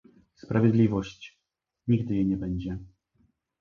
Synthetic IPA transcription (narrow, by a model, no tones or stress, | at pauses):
spɾavʲjɛd̪lʲivɔɕt͡ɕ | ɲiɡd̪ɘjɛɲɛbɛɲd͡ʑɛ